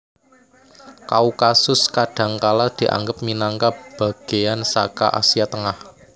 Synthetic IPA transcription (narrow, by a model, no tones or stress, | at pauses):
kaukasʊskaɖ̥ä̤ŋkalad̪̥i̤ʔa̰ŋɡəp̚minaŋkab̥a̤ɡ̥e̤jansa̰ka̰ʔa̰sijat̪əŋah